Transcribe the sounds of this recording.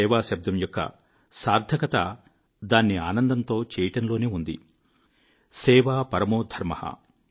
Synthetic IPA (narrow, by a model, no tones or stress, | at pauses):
ɛːʋaːʃɐb̚d̪ɐmjɔkːɐ̰ | saːɾd̪ʱɐkɐt̪a | d̪aːnːiaːnɐnd̪ɐnt̪o̞ːt͡ʃɛːjɐʈɐnlo̞ːneːund̪ḭ | sɛːʋaːpɐɾɐmoːd̪ʱɐɾmɐhɐ̰